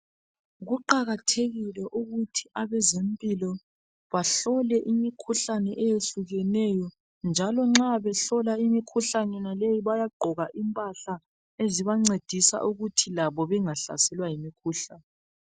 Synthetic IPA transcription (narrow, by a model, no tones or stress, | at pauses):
ɣuǃaɣatʰeɣilɛʔuɣutʰiʔaβɛzem̩pʼilɔ | βaɬɔlɛʔimikʰuɬanɛʔɛjeɬuɣɛnɛjɔ | nd͡ʒʱalɔŋ͡ǁaβɛɬɔlaimikʰuɬanɛnalejiβajaɡ͡ǃʱɔɣaʔimpʼaɬa | eziβaŋ͡ǀed̥ʱisa̰ʔuɣutʰilaβɔβɛŋaɬa̰sɛlwajimikʰuɬanɛ